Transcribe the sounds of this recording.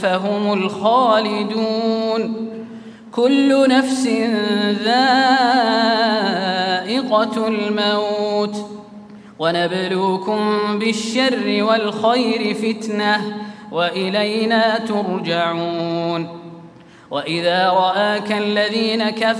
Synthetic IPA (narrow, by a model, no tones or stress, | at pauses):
faɦʊmʊlxaːlɪd̪uːn | kʊlːʊnafsɪnðaː | ʔɪqɑlmawt̪ | wanabluːkʊmbɪʃːarːɪwalxajɾɪfɪt̪nahwaʔɪlajnaːt̪ʊɾˤd͡ʒaʕuːn | waʔɪðaːɾˤɑʔaːkalːaðiːnaka